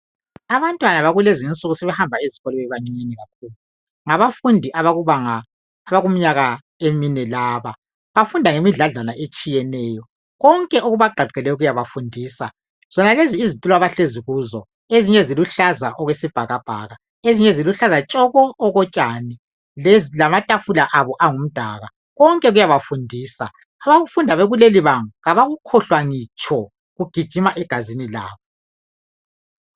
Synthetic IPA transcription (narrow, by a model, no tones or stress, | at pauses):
aβantʼwanaβaɣulezint͡sʼuɣusɛβɛhambʱaeziɣɔlɛwɛβaŋ͡ǀiɲeniɣak̚ʰuːlu | ŋaβafundʱiʔauβaŋaː | βaɣum̩ɲaɣa | eminɛlaːβa | βafundʱaŋemiɮaɮanaʔet͡ʃʼijɛnɛːjɔ | ɣɔŋkʼɛʔuɣuβaɡ͡ǃʱaɡ͡ǀʱɛlɛuɣujaβafundʱiːsa̰ | z̥ɔnaleziːzitʼulaβaɬeziɣuːzɔ | eziɲɛziluɬazaʔɔɣwesib̥ʱaɣab̥ʱa̰ːɣa | eziɲɛziluɬazat͡ʃʼɔɣɔʔːɣɔt͡ʃʼani | llamatʼafulaʔaβɔʔaŋum̩d̥ʱaɣa | ɣɔŋkʼɛɣujaβafundʱiːsa | aβaɣufundʱaβɛɣuleliβaŋuɣaβaɣukʰɔɬwaŋit͡ʃʼʰɔ | ɣuɡ̥ʱid̥ʒ̥ʱimaʔɛɡ̥ʱazinila̰ːβɔ